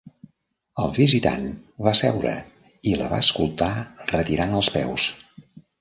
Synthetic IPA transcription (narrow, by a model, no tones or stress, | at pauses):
əlˠβizit̪a̰nβasɛwɾə̰ | iləβa̰əskulˠt̪arət̪iɾanəlˠspɛ̰ws